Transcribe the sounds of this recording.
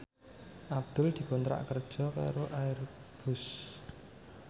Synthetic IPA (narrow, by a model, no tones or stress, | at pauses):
ʔab̚d̪̥ʊld̪̥i̤kɔnt̪ɾa̰ʔkərd̥ʒ̥ɔ̤ka̰ɾoʔairb̥ʊs